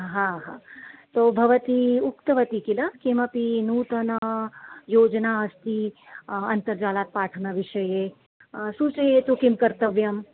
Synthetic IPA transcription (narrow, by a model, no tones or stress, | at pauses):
ɦãɦãːt̪oːbʱɐʋɐt̪iukt̪ɐʋɐt̪ikilɐkimɐpinuːt̪ɐnɐjoːd͡ʒnaːɐst̪i | ɐnt̪ɐɾd͡ʒaːlaːt̪̚paːʈʰɐnɐʋiʃɐje | sut͡ʃɐjet̪ukimkɐɾt̪ɐʋjɐm